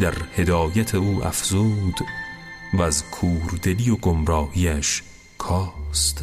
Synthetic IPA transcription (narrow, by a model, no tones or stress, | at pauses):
d̪̥æɾhe̞d̪ɒːjæt̪ʰeuːʔæ̰fz̥uːd̪̥ | væzkʰuːɾd̪elijoɡomɾɒːhiːæʃ | kʰɒːst̪